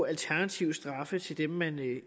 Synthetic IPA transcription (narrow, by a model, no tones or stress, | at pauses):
ælt͡sʰæɐnæt͡sʰiʊ̰sd̥ʁɑ̈fət͡sʰe̝ld̥emmæn